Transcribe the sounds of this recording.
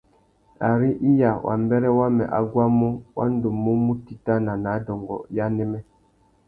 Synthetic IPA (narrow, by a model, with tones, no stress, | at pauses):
a˨ɾi˦ʔi˦ja˨wʔa̰˨mbɛ˦ɾɛ˦wa˦mɛ̰˨ʔa˨ɡwa˦mu˦wʔa̰˦n˦do˨mːu˦mu˦ti˦ta˦na˨na˨˦dɔ˨ŋɡɔ̰˨ja˦nɛ˦mɛ˦